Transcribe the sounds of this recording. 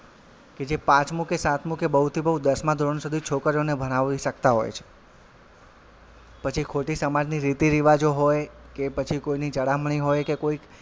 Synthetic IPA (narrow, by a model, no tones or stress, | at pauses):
ked͡ʒepãt͡ʃmũkesat̪ʰmũkebəɦut̪ʰibəɦud̪əsmãd̪ʱoɾɳsud̪ʱit͡ʃʰokəɾjonebʱənaʋiʃək̚t̪aɦo̰jt͡ʃʰe̥ | pət͡ʃʰikʰoʈisəmad͡ʒniɾit̪iɾiʋad͡ʒoɦoj | kepət͡ʃʰikoinit͡ʃəɽamɳ̃iɦojkekoik